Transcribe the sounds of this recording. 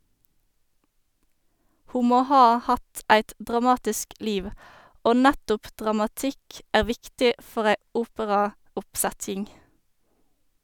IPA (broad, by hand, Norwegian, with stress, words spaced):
ˈhuː ˈmoː ˈhɑː ˈhɑt ˈæɪt dʁɑˈmɑːtɪsk ˈliːʋ ˈoː ˈnætʊp dʁɑmɑˈtɪk ˈæːʁ ˈʋɪktɪ ˈfɔʁ ˈæɪ ˈuːpəʁɑʊpˌsætjɪŋ